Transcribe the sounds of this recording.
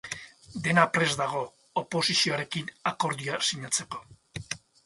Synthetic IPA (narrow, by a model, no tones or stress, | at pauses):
d̪e̞napɾe̞zd̪aɣ̞o̞ː | po̞sisio̞aɾe̞kinako̞ɾðiasiɲat͡se̞ko̞